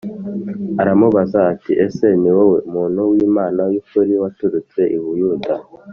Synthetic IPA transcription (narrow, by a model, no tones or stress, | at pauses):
aɾamuβazaːtiʔeseniweweumuːn̤uwiːmaːnajukuɾiwatuɾut͡se̞ʔiβujuːda